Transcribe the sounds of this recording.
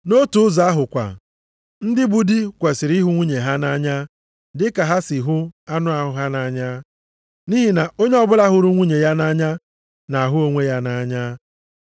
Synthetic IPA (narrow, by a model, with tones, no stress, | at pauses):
no˦tu˨ʊ˦za˨a˦ɦʊ˨kʷa̰˨ | n̩˦dɪ˦bu˦di˦kʷe˨sɪ˨ɾi˦ɦʊ˦ŋʷi˦ɲe˨ɦa˦na˦ɲa˦ | dɪ˦ka˨ɦa˦sɪ˨ɦʊ˦a˦nʊ˦a˨ɦʊ˨ɦa˦na˨˦ɲa˦ | ni˦ɦi˨na˨o˦ɲe˦ɔ˦bʊ˦la˦ɦʊ˦ɾu˦ŋʷi˦ɲe˨ja˦na˦ɲa˦ | na˨a˨ɦʊ˦o˦ŋʷe˦ja˦na˦ɲa˦